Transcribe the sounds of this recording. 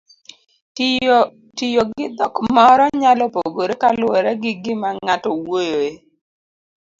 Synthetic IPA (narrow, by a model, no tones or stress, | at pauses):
tɪjoɡɪd̪ɔkmɔɾɔɲalɔpoɡoɾekalʊɔɾɛɡɪɡɪmaŋatɔwojoe